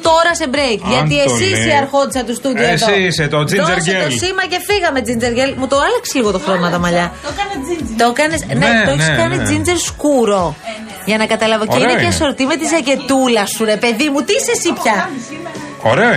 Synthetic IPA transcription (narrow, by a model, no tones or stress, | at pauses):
t̪o̞ɾɐsebɾejkʝɐt̪iesissɐɾxo̞t̪isɐt̪ust̪ud̪ioesoiiset̪od͡zizeɾʝelsimɐce̞fiɣɐme̞d͡zind͡ze̞ɾʝelmut̪oɐlɐkseliɣo̞t̪oxɾonmɐt̪ɐmɐʎɐ | t̪okɐnesneoçiskɐnid͡zind͡zeɾskuɾo̞ | ʝɐnɐkɐt̪ɐlɐvo̞eineɐso̞ɾot̪ime̞t̪izɐce̞t̪ulɐsuɾe̞pe̞ðimut̪isesipçɐ | o̰ɾe